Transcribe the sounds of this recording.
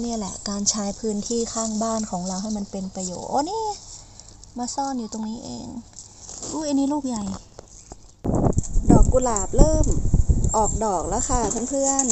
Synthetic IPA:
niː˥˩lɛ̰˧˩kaː˧nt͡ɕʰaː˦˥jpʰɯː˦˥nt̪ʰiː˥˩kʰaː˥˩ŋbaː˥˩nkʰɔː˩˦ŋɾa˧wɦa˥˩jma˧npe˧npɾa˧jo̰ː˨˩t̪̚ʔo˧˦niː˧˥˨ | maː˧sɔː˥˩˨njuː˨˩t̪o˧ŋniː˦˥ʔḛː˧ŋ | ʔuː˧˩ʔa˧nːiː˦˥luː˥˩k̚ja˨˩j | dɔː˨˩kːu˧laː˨˩p̚lɤː˥˩mʔɔː˨˩k̚dɔː˨˩k̚laː˦˧˥xaː˧˩t̪ʰa˦˥˩ŋpʰɯ˥˩ən

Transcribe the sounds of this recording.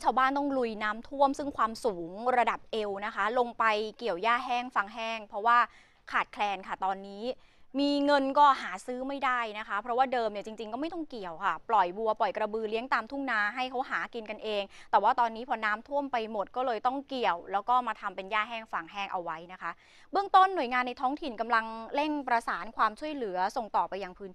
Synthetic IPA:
t͡ɕʰaː˧wbaː˥˩nt̪ɔ˥˩ŋlu˧jnaː˦˥mt̪ʰu˥˩əmsɯ˥˩ŋkʰwaː˧msuː˩˦ŋɾa˧da˨˩p̚ʔe˧wna˦˥kʰa˦˥lo˧ŋpa˧jki˨˩əwjaː˥˩ɦɛː˥˩ŋfa˧ŋɦɛː˥˩ŋpʰɾɔ˦˥waː˥˩ | kʰaː˨˩t̪̚kʰlɛː˧nkʰa˥˩t̪ɔː˧nːiː˦˥ | miː˧ŋɤ˧nkɔː˥˩haː˩˦sɯː˦˥ma˥˩jda˥˩jna˦˥kʰa˦˥pʰɾɔ˦˥waː˥˩dɤː˧mja˨˩t͡ɕi˧ŋt͡ɕi˧ŋkɔː˥˩ma˥˩jt̪ɔ˥˩ŋki˨˩əwkʰa˥˩plɔ˨˩jbu˧ɐpɔ˨˩jkɾa˧bɯː˧li˦əŋt̪aː˧mt̪ʰu˥˩ŋnaː˧˩ɦa˥˩jkʰa˦˥wɦaː˩˦ki˧nka˧nʔeː˧ŋt̪ɛː˨˩waː˥˩t̪ɔː˧nːiː˦˥pʰɔ˧naː˦˥mt̪ʰu˥˩əmpa˧jmo˨˩t̪̚kɔː˥˩lɤː˧jt̪ɔ˥˩ŋki˨˩əwlɛː˦˥wkɔː˥˩maː˧t̪ʰa˧mpe˧njaː˥˩ɦɛː˥˩ŋfa˧˩ŋɦɛː˥˩ŋʔa˧wa˦˥jna˦˥kʰa˦˥ | bɯ˥˩əŋt̪o˥˩nːu˨˩əjŋaː˧nːa˧jt̪ʰɔː˦˥ŋt̪ʰi˨˩nka˧mla˧ŋle˥˩ŋpɾa˧saː˩˦nkʰwaː˧mt͡ɕʰu˥˩əjlɯ˨˩˦ɐso˨˩ŋt̪ɔː˨˩pa˧jaː˧ŋpʰɯː˦˥nʰ˦

